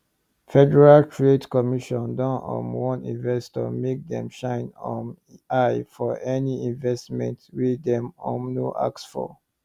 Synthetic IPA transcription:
fɛdɛɹaltʰɹedkɔmiʃɔ̃ndɔ̃nɔ̰̃nwɔ̃nḭ̃nvɛstɔ̰mek̚dɛ̰̃mʃãɪ̃nɔ̃m | aɪfɔʔɛniĩnvɛstmɛ̰̃ntwidɛ̃mɔ̰̃mnoʔa̰ksfɔ̰

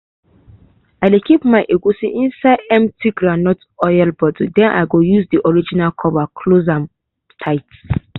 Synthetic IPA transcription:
aɪdekipmaɪʔeɡusiʔĩnsaɪdɛ̃mtʰiɡɹanɔt | ɔjalbɔdidɛ̃nʔa̰ɪɡojuzdiʔɔɹid͡ʒinalkʰɔvakʰlozãm | tʰaɪt

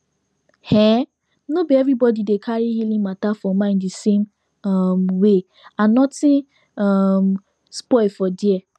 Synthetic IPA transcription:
hɛ̃ | nobiɛvɹibɔdidekʰaɹihilĩŋmatafɔmãɪ̃ndisẽm | ɔmwe | ãnɔtĩn | ɔm | spɔɪfɔdiɛ

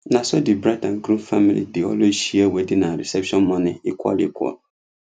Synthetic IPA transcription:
nãsɔdɪbɾadãŋkʰɾũfamilḭdɪɔ̰lɔɕiawɛdinãɾɛ̰sɛpʃɔ̃nmɔ̃nɪ̃ikʷʰɔ̰lḭkʷʰɔ̰l

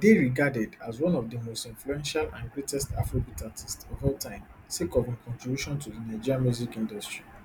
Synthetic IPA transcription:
deɹiɡadɛdazwɔ̃nɔvdəmostĩnfluɛ̃nʃalã̰nɡɹetɛsta̰fɹobitatʰistɔvɛltʰãɪ̃msekɔvĩnkɔ̃ntɹibjuʃɔ̃ntudinaɪd͡ʒiɹãmuzikĩndɔstɹi

